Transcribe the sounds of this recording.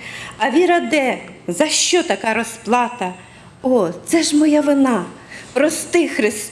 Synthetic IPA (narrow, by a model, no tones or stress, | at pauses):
ɐʋʲiɾɐd̪ɛzɐʃt͡ʃɔt̪ɐkɑɾɔsplˠɑt̪ɐ | ɔt̪sɛʒmɔjaʋɪnɑ | pɾɔst̪ɪxɾɪs